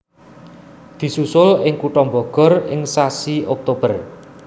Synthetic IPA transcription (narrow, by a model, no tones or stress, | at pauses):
d̪̥i̤susʊlɪŋkuʈɔmbɔɡ̥ɔ̤rɪŋsasiʔɔk̚t̪ob̥ər